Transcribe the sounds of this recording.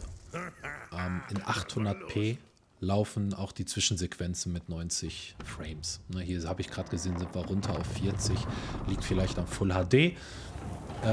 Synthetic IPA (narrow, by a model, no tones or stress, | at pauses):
ʔɛːmʔɪnʔaχthʊndɐtpʰeː | laʊfn̩aʊxd̥iːt͡sv̥ɪʃn̩zekv̥ɛnt͡sn̩mɪtnɔʏnt͡sɪçfʁ̥eɪmsnəhiːɐhaːbəɪçɡ̥ʁaːt̚ɡ̥əzeːnzɪntv̥aʁʊntʰɐaʊfːiɐt͡sɪçliːk̚tfɪlaɪçtamfʊlhaːdeː | ʔɛ